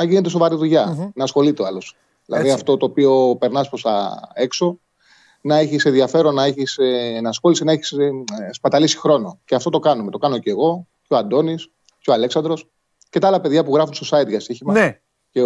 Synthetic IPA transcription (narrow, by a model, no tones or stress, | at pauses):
ɐʝine̞t̪es̬o̞vɐɾiðuʝɐnɐːsxo̞lit̪eɐlo̞s | ðilɐððiɐft̪o̞t̪oːpio̞pe̞ɾnɐspɾost̪ɐ̰e̞kso̞ | nɐeçise̞nðiɐfe̞ɾo̞nːɐeçisnɐːsxo̞lisenɐeçi̥sspɐt̪ɐlisi̥xɾo̞no̞ceɐft̪o̞t̪okɐnume̞t̪o̞kɐno̞ceɣo̞ | coɐnd̪o̞nis | ceo̞ɐle̞ksɐnd̪ɾo̞s | ce̞t̪ɐalɐpe̞ðʝɐpuɣɾɐfunst̪osɐit̪ʝɐst̪içimɐ | ce